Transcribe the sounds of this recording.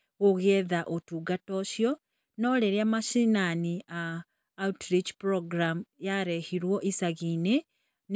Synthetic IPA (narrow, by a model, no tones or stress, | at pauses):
ɣoɣɛðaʔotuːɡatoʃjɔ | nɔleɾjamaʃinaniaː | utɾit͡ʃpɾoɡɾamujaɾehiɾwɔʔisaɣine | n